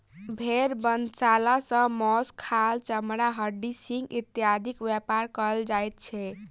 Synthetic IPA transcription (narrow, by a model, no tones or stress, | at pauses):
bʱeɾbənt͡ʃalasə̃mɔskʰalt͡ʃəmɾaɦəɖisiŋɡit̪jad̪ʱikwjepaɾkəɾld͡ʒajt̪̚t͡ʃʰɛ